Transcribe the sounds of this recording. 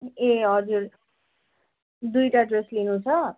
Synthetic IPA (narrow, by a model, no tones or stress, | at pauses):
eɦʌd͡zuɾ | d̪ujʈaɖreslinũt͡sʰʌ